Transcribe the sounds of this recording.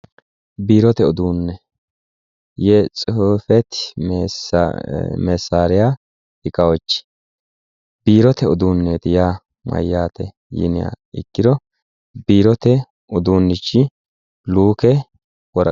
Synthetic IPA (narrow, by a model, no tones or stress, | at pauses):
biːɾɔt̪ɛɔd̪uːnːɛ | jɛt͡sʼofɛt̪ː | mɛsːaːɾɪja | ɪkʼɐwɔt͡ʃːɪ̥ | b̥iːɾɔt̪ɛɔd̪uːnːeːt̪ɪjaː | mɐ̰jːaːt̪ɛ̰ | jɪ̰nɪja̰ | ɪ̰kːɪd̪ɔ | biːɾɔt̪ɛ | ʊd̪uːnːɪt͡ʃːɪ | luːkɛ | wɔɾ